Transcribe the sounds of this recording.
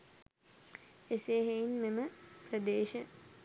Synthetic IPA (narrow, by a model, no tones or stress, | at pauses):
eseːɦeinmeməprəd̪eːʃə